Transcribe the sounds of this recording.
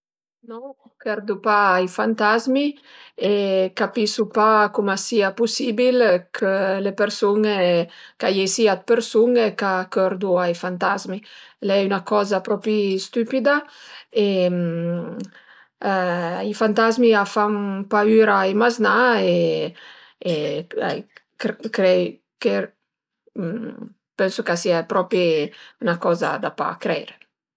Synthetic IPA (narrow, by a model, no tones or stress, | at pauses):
nɔ | kɛɾd̪upaːjfant̪azmi | ekapisupakumasiapusibilkʰəlepeɾsuŋekajesiat̪̚peɾsuŋekakøɾd̪uajfant̪azmilɛynakɔzapɾɔpist̪ypid̪ae | ifant̪azmiafaŋpayɾaemaznae | a̰j | kkɾɛ | ke | pɛnsukasiɛpɾɔpiynakɔːza̰d̪apa̰kɾɛjɾe